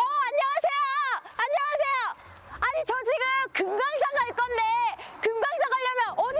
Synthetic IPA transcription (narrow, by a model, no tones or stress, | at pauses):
ʌaɲjʌŋasʰe̞joaɲːʌŋasʰe̞jo | aɲit͡ɕʌd͡ʑiɡɯmkɯŋɡaŋs͈ʰaŋaɭk͈ʌnde̞kɯŋɡaŋsʰaɡaʎːʌmjʌnʔʌ